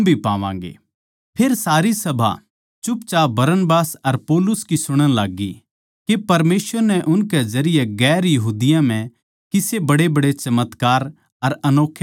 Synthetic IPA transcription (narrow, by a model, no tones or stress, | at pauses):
bʱipãːʋã̰ːŋɡḛː | pʰeːɾsaːɾisɐbʱa̰ | t͡ʃʊp̚t͡ʃaːbɐɾənbaːsɐɾpoːlʊskisʊɽ̃ə̃laːɡi | kepɐɾmeːsʋəɾnɛʔʊnkɛzɐɾɪjeɡɛːɾjɐɦuːd̪ɪjãm̤ɛ̃ | kɪsebɐɽebɐɽet͡ʃɐmət̪kaːɾ | ɐɾɐnoːkʰː